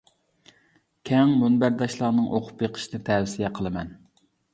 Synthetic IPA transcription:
kʲʰɛŋmunbæɾd̪ɑʃlˠɑnɨŋʔoqʰʊ̥pjeqʰə̥ʃinɨt̪ʰɛwsijɛqʰəlˠɨmɛn

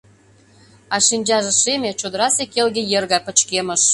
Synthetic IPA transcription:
ɑʃinʲd͡ʑɑʒĕʃemʲet͡ɕod̪əɾɑsekelɡʲĕjerɣɑpə̆t͡ɕkemə̆ʃ

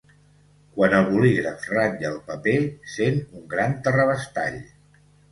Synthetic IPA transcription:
kwanəlˠβuliɾəfraɲʒəlˠpəpesenuŋɡɾant̪ərəβəst̪a̰ʎ

